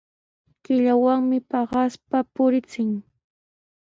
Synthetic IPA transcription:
kɪʎawaŋmɪpɑɢɑspapʊɾɪt͡sɪŋ

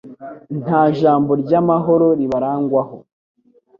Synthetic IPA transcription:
n̥haːʒaːmbo̞ɾɟamaɦo̞ɾo̞ɾiβaɾaːŋɡwaho

